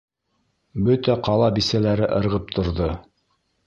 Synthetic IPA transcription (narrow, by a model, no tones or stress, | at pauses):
bɵt̪æqɑlˠɑbisælæɾɘʔɤ̆ɾʁɤp̚t̪ʰŏɾðo